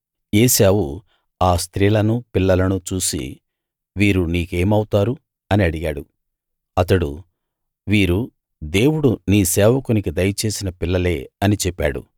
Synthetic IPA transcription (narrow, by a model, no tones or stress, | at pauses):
eːsaːwu | aːst̪ɾiːlɐnupilːɐlɐnut͡ʃuːsḭ | ʋiːɾuniːke̞ːmɐwut̪aːɾu | ɐniɐɽiɡaːɽu | ɐt̪ɐɽṵ | ʋiːɾu | d̪e̞ːwuɽuniːsɛːʋɐkunikid̪ɐjɐt͡ʃe̞ːsinɐpilːɐle̞ːɐnit͡ʃɛpːa̰ːɽṵ